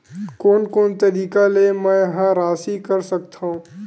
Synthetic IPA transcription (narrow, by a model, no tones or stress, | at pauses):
koːnkoːnt̪ɐɾiːkalemɛ̃jɐɦãɾaːsikɐɾsɐk̚t̪ʰaɦũː